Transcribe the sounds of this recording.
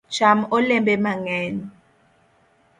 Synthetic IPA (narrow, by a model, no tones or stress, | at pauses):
t͡ʃamɔlɛmbɛmaŋɛːni